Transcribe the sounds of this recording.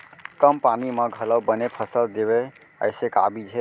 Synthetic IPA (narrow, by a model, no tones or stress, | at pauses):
kəmpanimə̃ɡʱələwbənepʰəsəld̪ebe | ə̰ɪseka̰bid͡ʒʰʱe